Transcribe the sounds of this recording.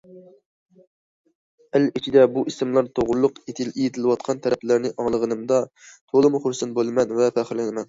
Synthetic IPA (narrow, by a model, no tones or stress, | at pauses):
ælit͡ʃʰid̪ɛbuʔisɨmlˠɑɾt̪ʰoʁʊɾlˠʊqet̪ʰɪlijet̪ʰɪlɨwɑt̪̚qʰɑnt̪ʰɛɾɛplæɾnɪʔɑŋlˠəʁənɨmd̪ɑt̪ʰolˠɨmuχʊɾsɨnbolˠɨmɛnvɛpʰæχɪɾlɪnɪmɛn